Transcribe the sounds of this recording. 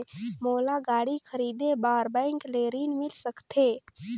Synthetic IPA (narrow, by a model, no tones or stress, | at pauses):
moːlaɡaːɽikʰəɾiːd̪ebaːɾbɛ̃ɪŋkleːɾiːnmɪlsəkt̪ʰeː